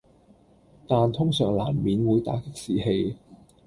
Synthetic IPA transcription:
t̪aː˨nt̪ʰʊ˥ŋsœː˨˩ŋlaː˨˩mmiː˨˥nwuː˨˧jt̪a̰ː˨˥kɪ˥k̚siː˨he˧j

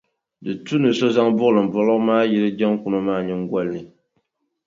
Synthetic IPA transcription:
dɨ˨tu˦nɨ˨sɔ˦za˦ŋbʊ˦ʔlɨ˨m̩˨bɔ˦lɨ˦maː˦ji˦ɾɨ˦d͡ʒɛ˦ŋku˦no˦maː˦ɲɛ˦ŋ˦ɡa˦lnɨ˨

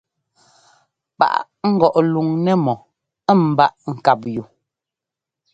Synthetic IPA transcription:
pa̰˨ʔ | ŋ̩˦ɡɔ˨ʔlu˨ŋnɛ˦mɔ˨˦˨ | m̩˨ba˦˨ʔŋ̩˨ka˨p̚ju˨

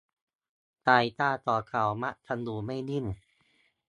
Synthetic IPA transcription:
t̪aː˧˩jt̪aː˧˩t̪ɔː˨˩kʰa˨˩wma˦˥ʔt̪ʰa˧nduː˧ma˥˩jni˥˩n

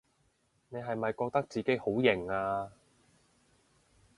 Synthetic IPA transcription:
ne˨˧jɦɐ˨jmɐ˨jkɔː˧k̚t̪ɐ˥k̚t͡siː˨ke˨˥jho˨˥wjɪ˨˩ŋaː˧

